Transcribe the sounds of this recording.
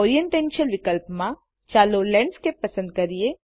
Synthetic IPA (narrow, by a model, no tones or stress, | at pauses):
ɔːɾijə̃ɳʈɛ̃ːnʃəlʋɪkəlpmã | t͡ʃaːlolɛ̃ɳɖskepɐsə̃nd̪̚kɐɾie